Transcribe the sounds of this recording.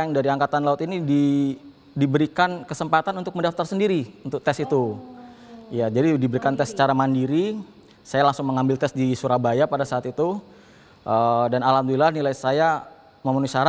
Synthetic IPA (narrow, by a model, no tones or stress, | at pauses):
aŋdaɾiaŋkat̪anlaʊt̪inidi | dibəɾikankəsəmpat̪anunt̪ʊk̚məndaft̪arsəndiɾiunt̪ʊk̚t̪ɛsit̪u | ijad͡ʒadidibəɾikant̪ɛsːə̥t͡ʃaɾamandiɾi | sajalaŋsʊŋməŋambɪlt̪ɛsdisuɾabajapadasaːt̪it̪u | ʔədanalamd̪uilahnilajsaja | məmənusaɾ